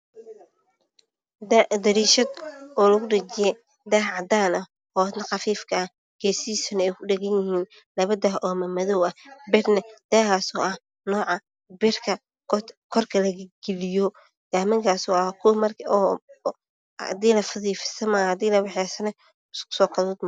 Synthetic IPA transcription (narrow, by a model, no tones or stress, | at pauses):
d̪d̪ɐɾiːʃɐd̪ɔːlɐɣʊɖɐt͡ʃɪjɛ | d̪ɐɦʕɑd̪aːnɐ | ɔːnɐxɑfiːfkʰɐ | ɡ̥ɛːsiːsʊnɐɛjkʰʊɖɛɣɐnjɪhiːn | lɐβɐd̪ɐɦʔɔːmɐmɐðɔwɐhbɛrnɛd̪̥ɛːɦaːsɔːʔɐh | nɔːʕɑ | bɪrkʰɐ | kʰɔrkʰɐlɐɣɡ̥ɛlɪjɔ | ɡ̥aːmɐŋkʰaːsɔːɐhkʰʊmɐrʰ | d̪iːlɐfɐðiːfɪ̥sɐmahɐd̪iːlɐwɑħɛːsɐnɛ | skʊ̥sɔːkʰɐðuːd̪m